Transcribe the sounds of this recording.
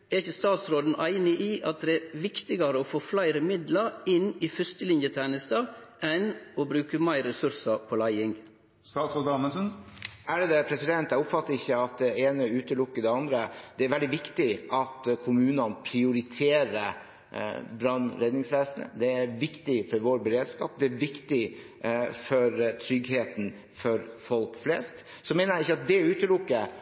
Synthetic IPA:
ɛɾɪçəst̪ɑːt̪sɾoːd̪n̩ʔæɪnɪʔiːʔɑt̪̚d̪ɛæɾʋɪkt̪ɪɡɑɾəoːfoːflæɪɾəmɪd̪lɑɾɪniːfʏɾst̪əlɪnjət̪ʰæːnɪst̪ɑːɛnobɾʉːkəmæɪɾɛsʉɾsɑpʰoːlæɪɪŋ | st̪ɑːt̪sɾoːd̪ɑməsənæɖɛd̪ɛpʰɾɛsɪd̪ɛnt̪æʊpfɑt̪ːəɾɪçːəɑt̪̚d̪ɛeːnəʉːt̪əlʊkːəd̪ɛɑnd̪ɾəd̪̥ɛæɾʋɛld̪ɪʋɪkt̪ɪʔɑt̪kʰʊmʉːnɑnpʰɾɪʊɾɪt̪ʰeːɾə | bɾɑnɾɛd̪nɪŋsʋeːsənə̰d̪ɛæɾʋɪkt̪ɪfɔɾʋoːɾbəɾeːd̪skɑ̰ːp̚d̪ɛæɾʋɪkt̪ɪ | fɔɾt̪ʰɾʏɡɦeːt̪n̩ | fɔɾfɔlkflɛːst̪ | sɔmeːnəɾæɪçːəɑt̪̚d̪ɛʉːt̪əlʊkːə

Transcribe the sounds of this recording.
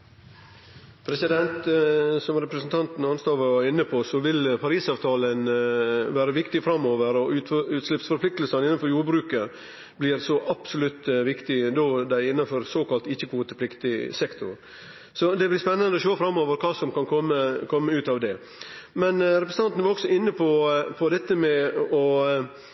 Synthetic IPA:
pʰɾɛsɪd̪ɛnt̪sɔmɾɛpɾəsn̩t̪ʰɑnt̪n̩ɑnst̪ɑːʋɑʋɑɾɪnːəpʰɔsɔʋɪlpʰɑɾiːsɑːʋt̪ʰɑːlənʋæːɾəʋɪkt̪ɪfɾɑmːoːʋəɾɔʉʉːt̪lɪpsfɔɾpʰlɪk̚t̪lsɑnɪnːɑnfɔɾjuːɾbɾʉːkə | blɪːɾsɔʔɑpsʊlʉt̪ːʋɪkt̪ɪd̪oːd̪æɪɪnːɑnfɔɾsoːkɑlt̪ɪçːəkʰuːt̪əpʰlɪkt̪ɪsɛkt̪ʊɾ | sɔd̪ɛblɪspɛnːɑnd̪əɔɕoːfɾɑmːoːʋəɾkʰɑːsɔmkʰɑnkʰɔmːəkʰɔmːəʉːt̪ɑʋd̪ɛ | mɛnɾɛpɾəsəɑnt̪n̩ʋɑɾɔɡ̥sɔɪnːəpʰɔpʰɔd̪ɛt̪ːəmɛɔ

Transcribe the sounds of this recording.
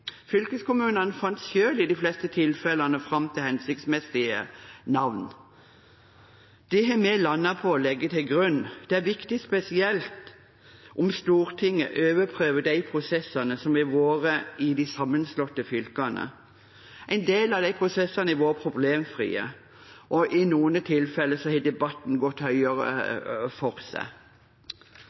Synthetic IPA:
fʏlkəskʊmʉːnənəfɑnt̪sçøːlɪd̪ɪflɛst̪ət̪ʰɪlfɛlənəfʁɑmt̪ʰɪlhɛnsɪk̚t̪smɛsɪənɑʋn | d̪̥ɛɦɛmɛlɑnːɑpʰɔɔlɛɡːət̪ʰɪlɡʁʉnːd̪̥ɛæɾʋɪkt̪ɪspɛsɪɛlt̪ | ʔɔmst̪uːʁt̪ʰɪŋːə̰ʔøːʋəpʰɾøːʋəd̪æɪpʰʁʊsɛsɑnəsɔmɪʋoːʁəɪd̪ɪsɑmːənslɔt̪ːəfʏlkɑnə̰ | æɪnd̪eːlɑʋd̪æɪpʰʁʊsɛsːɑnəæʋoːɾəpʰɾʊbleːmfʁḭːə̰ | ʔɔʔɪnuːənət̪ʰɪlfɛlːəsɔhɛɪd̪ɛbɑt̪n̩ɡɔt̪hœʏəʁə̰fɔʁsæ̰

